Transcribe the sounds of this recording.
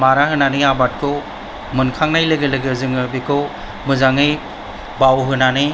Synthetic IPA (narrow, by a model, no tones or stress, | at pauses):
maɾahɯnaniabat̚kʰɯw | mɯnkʰaŋnajlɯɡelɯɡɯzɯŋɯbikʰɯw | mɯzaŋɯj | bawɦɯnani